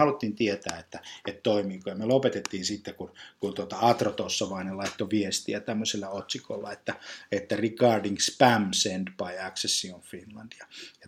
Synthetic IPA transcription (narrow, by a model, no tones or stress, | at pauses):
hɑlut̪ːiːnt̪iet̪æːet̪ːæet̪toimiːkojɑmelopet̪et̪ːiːnsit̪ːekunkunt̪uot̪ɑɑt̪rot̪osːɑʋɑinelɑit̪ːoʋiest̪iæt̪æmːøselːɑot̪sikolːɑet̪ːæet̪ːærikɑːrdiŋspæmsend̪pɑjɑksessionfinlɑnd̪̥jɑjɑ